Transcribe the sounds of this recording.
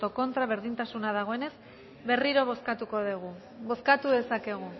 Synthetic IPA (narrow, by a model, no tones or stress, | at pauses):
t̪o̞ko̞nt̪ɾaβe̞ɾðint̪asunað̞aɣ̞o̞e̞ne̞s | βe̞riɾo̞β̞o̞skat̪uko̞ðeɣu | bo̞skat̪uðe̞sake̞ɣ̞u